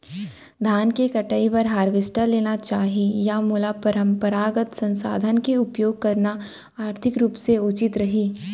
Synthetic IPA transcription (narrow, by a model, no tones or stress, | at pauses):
d̪ʱaːnkekɐʈəipɐɾɦaːɾʋeːsʈaleːnat͡ʃaːɦijamulapɐɾə̃mpəɾaːɡət̪sɐ̃nsa̰ːd̪ʱənkeʊpjoːɡ̚kɐɾna | aːɾt̪ʰɪkɾuːpseʊt͡ʃɪt̪ɾɐɦiː